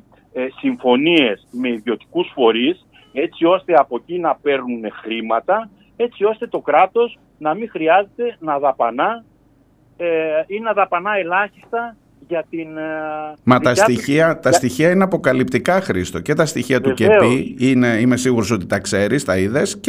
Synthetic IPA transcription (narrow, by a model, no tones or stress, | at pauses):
siɱfo̞nie̞sme̞iðjo̞t̪i̥kusfo̞ɾis | e̞t͡sio̞st̪e̞ɐpo̞cinɐpe̞ɾnunexɾimɐt̪ɐ | e̞t͡sio̞st̪e̞t̪o̞kɾɐt̪o̞s | nɐmĩxɾiɐze̞t̪e̞nɐðɐpɐnɐ | inenɐðɐpɐnɐe̞lɐçist̪ɐ | ʝɐt̪in | mɐt̪ɐst̪içiɐt̪ɐst̪içiɐineɐpo̞kɐlipt̪ikɐxɾist̪oce̞t̪ɐst̪içiɐt̪uceeiineime̞siɣuɾo̞so̞t̪it̪ɐkse̞ɾist̪ɐiðe̞s